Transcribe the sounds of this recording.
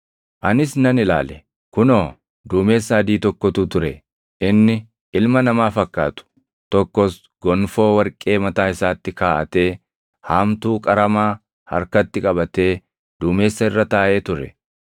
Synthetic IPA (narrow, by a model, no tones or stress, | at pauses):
ʔɐnɪsnɐnɪla̰ːlɛ | kʊnoː | d̪uːme̞ːsːaːd̪iːt̪ɔkːɔt̪ut̪ʊɾɛ | ɪnːɪ | ɪlmɐnɐmaːfɐkːa̰ːt̪ʊ̥ | t̪ɔkːɔs | ɡ̥ɔnfo̞ːwɐɾkʼe̞ːmɐt̪aːɪsaːt̪ːɪkaːʔɐt̪e̞ː | haːmt̪uːkʼɐɾɐmaː | hɐ̰ɾkɐt̪ːɪkʼɐbɐt̪e̞ː | d̪uːme̞ːsːɐɪrːɐt̪aːʔe̞ːt̪ʊɾɛ̰